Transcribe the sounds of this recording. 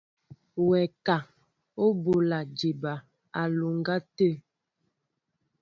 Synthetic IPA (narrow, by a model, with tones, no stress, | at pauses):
wɛ˨ka˨ | o˦bo˨la˨d͡ʒi˨ba˨ | a˨lu˨ŋ˦ɡa˦tə˦˨